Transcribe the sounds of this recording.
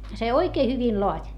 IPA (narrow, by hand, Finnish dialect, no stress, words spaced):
se oikeː hyʋin loɑtʲ